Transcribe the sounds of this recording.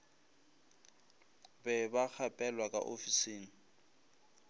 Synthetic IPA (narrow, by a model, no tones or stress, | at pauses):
bɛbak͡xʰapʼɛlwakʼa̰ʔo̰fisiːni